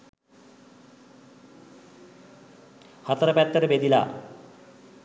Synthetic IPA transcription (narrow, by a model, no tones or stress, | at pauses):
hat̪aɾapɛt̪ːɐɾebed̪ila̰